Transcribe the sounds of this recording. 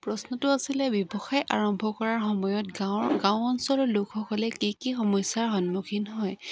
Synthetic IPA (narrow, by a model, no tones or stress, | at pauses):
pɹɔsnɔtʊasilɛbjɔbɔxajʔa̰ɹɔmbʱɔkɔɹaɹxɔmɔjɔtɡaɡãw̃ɔnsɔlɔlʊkxɔkɔlɛkikixɔmɔjsaɹxɔnmukʰinɦɔj